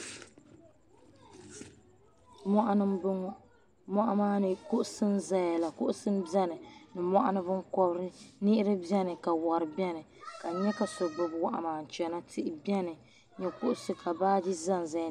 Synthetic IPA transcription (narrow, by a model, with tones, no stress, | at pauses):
mɔ˦ʔa˦nɨ˦mb | mɔ˦ʔa˦maː˦nɨ˨kʊ˦ʔʊ˦sɨ˦n˦za˨ja˨la˨kʊ˦ʔʊ˦sɨ˦n˦bi˦ɛ˦nɨ˨nɨ˨mɔ˦ʔa˦nɨ˦bɨ˦ŋkɔ˦bɾɨ˦nɪ˦ʔɪ˦ɾɨ˦bɛ˦nɨ˨ka˨wɔ˨ɾɨ˨bɛ˦nɨ˨ka˨ɲɛ˦ka˨so˨bɨ˨bwa˦ʔa̰˨maː˨n̩˨t͡ʃɛ˨na˦tʰɪ˦ʔɪ˦bi˦ɛ˦nɨ˨ | ɲɛ˨kʊ˦ʔʊ˦sɨ˦kʰa˨baː˦di˦za˦n˨za˨j